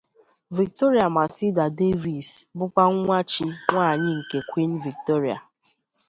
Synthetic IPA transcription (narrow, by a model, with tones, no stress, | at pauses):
vi˨k̚to˦ɾi˨a˨ma˨ti˦da˨de˦vi˨sbʊ˦kʷa˦ŋ̩ʷ˦a˦t͡ʃi˦ŋʷaː˦˨ɲɪ˦ŋ̩˨ke˨kʷi˦n̩˦vi˨k̚to˦ɾi˨a̰˨